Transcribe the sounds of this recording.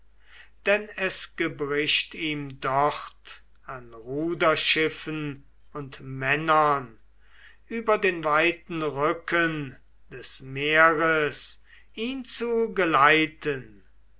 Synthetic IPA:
d̥ɛnɛsɡ̥əbʁɪʃtiːmdɔχt | anʁuːdɐʃɪfən | ʊntmɛnɐn | yːbɐdeːnvaɪtn̩ʁʏkʰən | d̥ɛsmeɐʁəs | iːnt͡suɡəlaɪtʰən

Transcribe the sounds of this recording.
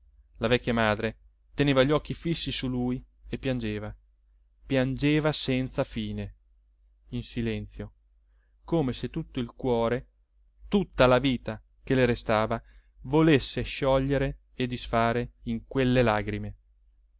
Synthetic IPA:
lavɛkʲːjamaːd̪ɾe | t̪eneːvaʎːɔk̟ːifisːisuluj | epːjand͡ʒeːva | pjand͡ʒeːvasɛnt̪safiːne | insilɛnt̪sjo | koːmeset̪ːut̪ːoilkwɔːɾe | t̪ut̪ːalaviːt̪a | k̟eleɾest̪aːva | volesːeʃɔʎːeɾe | ed̪isfaːɾeiŋkwelːelaːɡɾime

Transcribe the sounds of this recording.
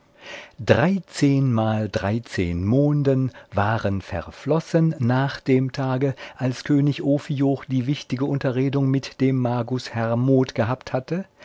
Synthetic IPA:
d̥ʁaɪt͡seːnmaːldʁaɪt͡sḛːnmoːndənvaːʁənfɛ̰ɐflɔsənːaːχd̥eːmtʰaːɡəʔalskʰøːnɪçʔoːfijoχd̥iːvɪçtɪɡəʔʊntɐʁeːdʊŋmɪtd̥eːmːaɐɡʊshɛʁmoːtɡ̥əɦaːpthatʰə

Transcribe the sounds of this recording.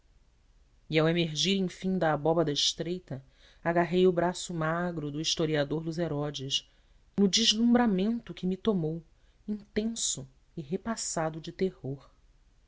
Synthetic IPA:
iawemeɾʒiɾẽj̃fĩŋd̪ɐːbɔbɐd̪ɐiʃt̪ɾejt̪ɐ | aɡaɦejʊbɾasʊmaɡɾʊd̪ʊiʃt̪oɾiad̪oɾd̪ʊzeɾɔd͡ʒɪʃ | nʊd͡ʒiʒlˠũmbɾamẽnt̪ʊkɪmit̪omow | ĩt̪ẽsʊ | iɦepasad̪ʊd͡ʒɪt̪ehoχ

